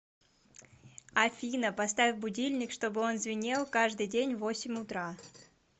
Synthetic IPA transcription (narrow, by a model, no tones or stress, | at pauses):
ɐfʲinəpɐs̬t̪avʲɪvbʊdʲilʲnʲɪkʂt̪o̞bɨo̞nzvʲɪnʲelˠkaʐd̪ɨjdʲenʲvo̞sʲɪmʲʊt̪ɾa